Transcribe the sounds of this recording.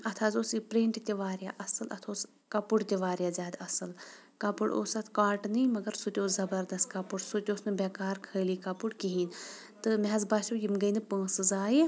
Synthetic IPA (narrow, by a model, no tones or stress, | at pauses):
ɐt̪ʰaːzoːsipɾeːɳʈt̪ʲiʋaːɾja̰ːʔɐsɨlɐt̪ʰoːs | kɐpuɽt̪ʲiʋaːɾjaːzʲaːd̪ɐsɨl | kɐpuɽo̰ːsɐt̪ʰkaːʈnɨjmɐɡɐɾsut̪ʲoːzɐbɐɾd̪ɐst̪̚kɐpuɽsut̪ʲoːsnɨbɛkaːɾkʰəːliːkɐpuɽkiɦiːn | t̪ɨmɛɦɐzbaːʃuːjimɡɐjnɨpə̃ːsɨzaːji